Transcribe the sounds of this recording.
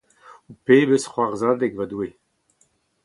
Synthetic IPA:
upeːbesχwaʁzaːd̪ɛɡvad̪uwe

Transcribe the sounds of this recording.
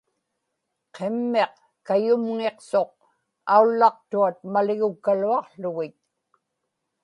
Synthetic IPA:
qʰe̞mːe̞q | kajʊmŋe̞qso̞q̚ | aulːɑq̚t̪uat̪̚malɪɣʊkːaluɑqɬʊɣɪt̪̚

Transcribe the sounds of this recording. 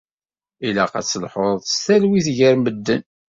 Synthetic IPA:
ilæqæ̰t͡sːəlħoɾˤðst̪ælwiθʝæɾməd̪ːən

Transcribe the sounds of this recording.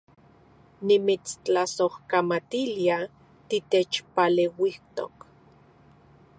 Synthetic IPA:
nimit͡st͡ɬasohkamat̪ilia | t̪it̪et͡ʃpalewiht̪o̰k

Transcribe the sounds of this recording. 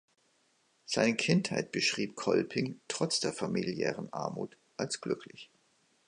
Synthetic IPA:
z̥aɪnəkʰɪnthaɪt̚b̥əʃʁ̥iːp̚kʰɔlpʰɪŋtʁ̥ɔt͡sd̥eːɐfamiljɛ̰ːʁənʔa̰ɐmṵːt | ʔalsɡ̥lʏkʰlɪç

